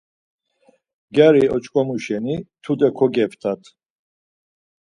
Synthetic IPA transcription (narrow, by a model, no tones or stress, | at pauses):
ɡaɾiɔt͡ʃʼkʼɔmuʃɛnit̪ʰud̪ɛkʰɔɡɛpʰt̪ʰat̪ʰ